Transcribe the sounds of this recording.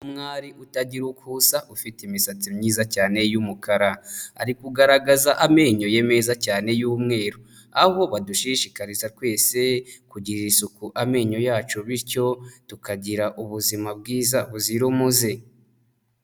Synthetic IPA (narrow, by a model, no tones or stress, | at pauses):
umŋaːɾiʔutaɟiɾukhuːsaʔufitimisat͡simɲiːzacaːne̞jumukaɾaa̰ɾikuɡaɾaɡazaʔame̞ːɲo̞je̞me̞zacaːne̞juːmŋe̞ːɾo | aβo̞βaduʃiʃikaɾizatwe̞ːse̞kuɟiɾiisukuʔame̞ːɲo̞jaːt͡ʃuβiɾco̞tukaɟiɾaʔuβuzimab̚ɡiːzaβuziɾomuze̞